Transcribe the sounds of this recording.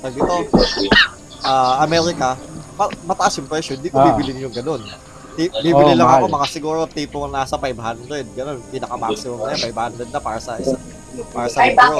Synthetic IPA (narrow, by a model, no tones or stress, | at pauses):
t̪ɐɡ̚d̪iːt̪o̞ | ʔaːɐmɛɾɪkɐmɐmɐt̪ɐʔasjʊŋpɹɛʃjoɪnd̪ikʊbiːbɪlɪŋjʊŋɡɐno̞n | t̪ibiːbɪlɪlɐŋɐko̞mɐŋasɪɡuːɾot̪iːp̪oŋnasɐfajbhand̪ɾɛd̪̚ɡɐno̞npinɐkɐmaksɪmomnɐjopajbhand̪ɾɛd̪nɐpaːɾɐsɐʔɪsa | paːɾɐsɐɡuo